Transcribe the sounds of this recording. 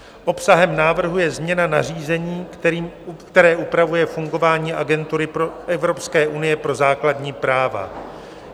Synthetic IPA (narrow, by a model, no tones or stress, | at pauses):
ʔo̞psaɦɛmnaːvr̩ɦujɛzmɲɛnanar̝iːzɛɲiːikt̪ɛɾɛːʔupɾavujɛfuŋɡo̞vaːɲiːʔaɡɛnt̪uɾɪpɾoʔɛvɾo̞pskɛːʔunɪjɛpɾo̞zaːkladɲiːpɾaːva̰